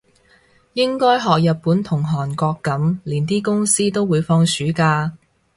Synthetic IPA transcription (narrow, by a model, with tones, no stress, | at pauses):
jɪ˥ŋkɔː˥jɦɔː˨k̚jɐ˨t̚puː˨˥nt̪ʰʊ˨˩ŋɦɔː˨˩nkɔː˧kːɐ˨˥mliː˨˩nt̪iː˥kʊ˥ŋsiː˥t̪o˥wwuː˨˧jfɔː˧ŋsyː˨˥kaː˧